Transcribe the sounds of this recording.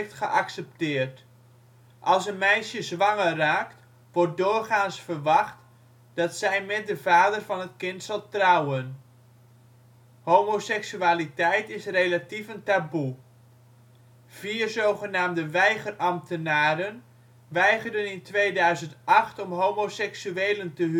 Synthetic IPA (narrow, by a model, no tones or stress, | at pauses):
ftχəʔɑksɛp̚tɪːrt | ʔɑlˠsənmɛjʃəzʋɑŋəraːkt | ʋɔɹt̚dʊːrχaːnsfərʋɑχt | d̥ɑtsɛjmɛt̚dəvaːdərvɑnətkɪntsɑlˠtrɑwən | hoːmosɛksyaːlitɛjtɪsrejlatifəntabu | v̥iːrzowχənaːmdəʋɛjχərɑmtənaːɾən | ʋɛjχərdənɪntʋejdœɥzəntʔɑχtɔmɦowmosɛksyeːləntəɦ